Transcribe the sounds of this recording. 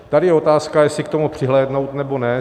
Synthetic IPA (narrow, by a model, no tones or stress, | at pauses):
t̪adɪjɛo̞t̪aːskajɛsɪk̚t̪omupr̝̥ɪɦlɛːdno̞wt̪nɛbo̞nɛ